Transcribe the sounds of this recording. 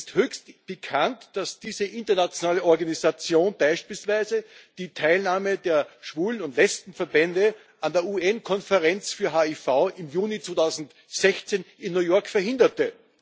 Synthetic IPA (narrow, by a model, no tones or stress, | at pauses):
sthøːçstb̥əkʰantd̥asd̥iːzəʔɪntɐnat͡sjonaːləɔɐɡanizat͡sjoːnb̥aɪʃpiːlsvæɪzəd̥iːtʰaɪlnaːmədeːɐʃv̥uːlənʊntlɛt͡stn̩fɛɐbɛndə | andeːɐuɛnkʰɔnfəʁɛnt͡sfyːɐɦaːifaʊʔɪmjuːnit͡svoːtʰaʊzn̩t | z̥ɛçt͡seːnɪnːujɔɐkfɛɐhɪndɐtə